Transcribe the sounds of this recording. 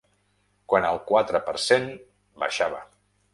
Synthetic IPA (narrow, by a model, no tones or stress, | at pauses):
kwanəlˠkwat̪ɾəpəɾsen | ba̰ʃaβə̰